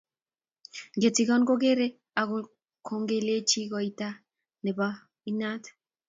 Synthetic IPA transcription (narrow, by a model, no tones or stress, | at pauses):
ɡet͡siɣɔnɡoɣeɾe | aɣol | kʰoŋɡelet͡ʃiɣojt̪a | neba | inat̪